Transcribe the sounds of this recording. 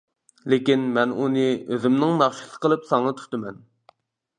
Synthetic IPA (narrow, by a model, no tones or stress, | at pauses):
lekʲinmɛnunɨøzɪmnɪŋnɑχʃi̥sɨ̥qʰəlˠɨpsɑŋɑt̪ʰy̥t̪ɨmɛn